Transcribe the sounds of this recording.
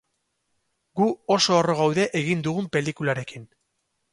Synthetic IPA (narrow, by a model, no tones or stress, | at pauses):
ɡuo̞so̞ːro̞ɣ̞awðe̞ʔeɣ̞ind̪uɣumpe̞likulaɾe̞kin